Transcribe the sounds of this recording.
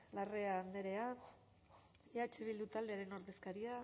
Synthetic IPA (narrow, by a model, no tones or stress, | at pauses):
lare̞and̪e̞ɾe̞a | eat͡ʃeβild̪ut̪ald̪e̞aɾe̞no̞ɾðe̞skaɾia